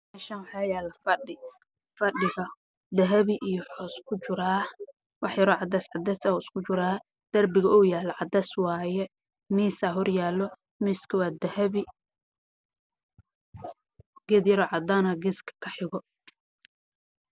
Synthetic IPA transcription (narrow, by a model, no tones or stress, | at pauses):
mɛʃɐnwħaːjaːlɐfɐɖɪ | fɐɖɪɣɐ | d̪ɐɦɐβɪʔijɔħɔːskʰʊt͡ʃʊɾaː | wʔɑħjɐɾɔʕɑd̪ɐsʕɑd̪ɛsaɪskʰʊt͡ʃʊɾaː | d̪̥ɐrbɪɣɐɔːjaːlɐʕɑd̪ɐswɑːjɛ | miːsaːɦɔrjaːlɔ | mɪskʰɪwaːd̪ɐhɐβi | ɡ̥ɛd̪jɐɾɔʕɑd̪aːnɐɡɛskʰɐ̥kʰɐħɪɣɔ